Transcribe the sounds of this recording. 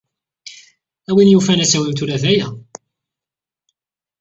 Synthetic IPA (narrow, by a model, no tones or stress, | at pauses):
æwinjufænæsæwæmt̪̬uɾæðæjæ